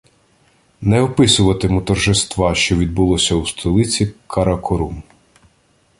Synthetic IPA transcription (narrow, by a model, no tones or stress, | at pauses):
nɛɔpɪsʊʋɐt̪ɪmʊt̪ɔrʒɪst̪ʋɑʃt͡ʃɔʋʲid̪̚bʊlˠɔsʲɐust̪ʰɔlˠɪt͡sʲikʰɐɾɐkʰɔɾum